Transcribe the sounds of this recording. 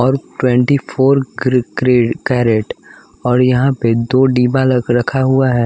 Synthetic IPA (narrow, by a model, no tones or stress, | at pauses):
ɔːɾʈwɛ̃ɳʈipʰoːɾɡɾkɾeːɖkɛːɾeʈ | ɔːɾjɐɦãped̪oːɖiːbaːlkɾɐkʰaɦuaɦɛː